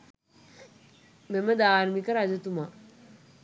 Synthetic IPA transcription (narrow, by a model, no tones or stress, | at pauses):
meməd̪aːɾmikəɾad͡ʒɐt̪uma